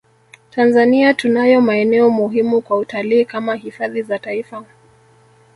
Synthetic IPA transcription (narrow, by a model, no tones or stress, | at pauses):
tʰanzaniatunajɔmaɛnɛɔmuɦimukwautaliːkamahifaðizataifa